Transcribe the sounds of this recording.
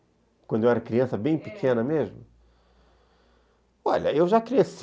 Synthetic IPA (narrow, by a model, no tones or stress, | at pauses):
kwɐ̃d̪ewɛɾɐkɾiɐ̃sɐbẽj̃pikʰenɐmeʒmʊ | ɔʎɐ̰ewʒakɾieɐs